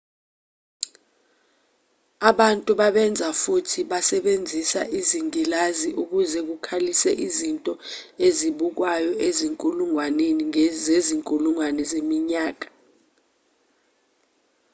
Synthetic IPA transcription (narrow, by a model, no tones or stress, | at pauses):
aɓantʼuɓaɓɛnd͡zʱafutʰiɓasɛɓend͡zʱisaʔiziŋilaziʔuk̬uzɛk̬ukʰalisɛʔizintʼɔeziɓuk̬wajɔeziŋkʼuluŋwaneniŋzeziŋkʼuluŋwanɛzemiɲaːk̬ḁ